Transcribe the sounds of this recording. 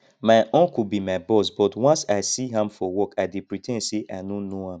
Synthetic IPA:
maɪʔɔ̃ŋkubimaɪbɔsbɔtwãnsaɪsiɦãmfɔwɔkaɪdipɹitʰɛ̃nseʔanonohãm

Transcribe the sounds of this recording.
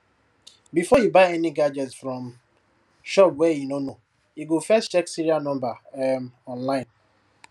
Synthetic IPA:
bifɔjibaɪɛniɡad͡ʒɛtsfɾɔm | ʃɔpwɛinono | iɡofɛstt͡ʃɛksiɾianɔ̃mbamɔ̃nlaɪ̃n

